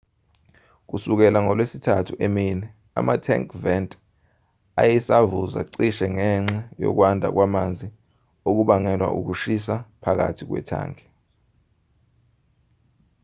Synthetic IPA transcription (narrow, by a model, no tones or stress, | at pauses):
k̬usuk̬ɛlaŋɔlwesitʰatʰuʔeminɛ | a̰matʰɛ̰ŋkʰʼvɛntʼ | ajɛsavuza̰ǀiʃɛŋɛŋ͡ǁɛjɔ̰k̬wandʱa̰k̬wamand͡zʱi | ok̬uɓaŋɛlwa̰ʔṵk̬uʃis̬apʰak̬a̰tʰik̬wɛ̰tʰa̰ːŋɛ